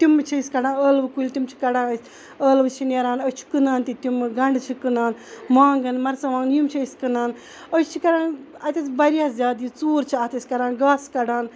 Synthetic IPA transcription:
t̪imɨt͡ʃʰisʲkɐɖãːnəːlʋkulʲt̪ʲimt͡ʃʰi̥kɐɽãːnəsʲ | əːlʋɨt͡ʃʰineɾaːnəst͡ʃʰi̥kɨnaːnt̪it̪imɨɡɐɳɖt͡ʃʰikɨnaːnmãːŋɡɨnmɐɾt͡sɐmaːŋnjumt͡ʃʰiskɨnaːn | ət͡ʃt͡ʃʰikɐɾãːn | ɐt̪ɐsbɐɾiazʲjaːd̪iːt͡suːɾt͡ʃʰiaːt̪isʲkɐɾãːnɡaːskɐɖaːn

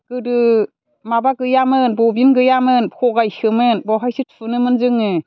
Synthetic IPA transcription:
ɡ̥ɯdɯ | mabaɡɯjamɯnbɔbinɡɯjamɯnpʰɔɡajsɯmɯnbɔɦajsʰɯt̚fʰɯnɯmɯnzɯŋɯ

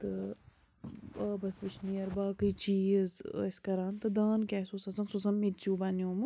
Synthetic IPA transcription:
t̪ɨ | ɐːbɐsbit͡ʃʰnijɐɾbaːkɨt͡ʃiːzɐsʲkɐɾaːnt̪ɨd̪aːnkʲɛsusɐsɐnsusɐmːitt͡ʃuːbanioːmɨ

